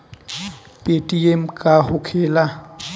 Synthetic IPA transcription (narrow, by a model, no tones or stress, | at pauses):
pʼetʼiemkʼaɦʊkʰɛːla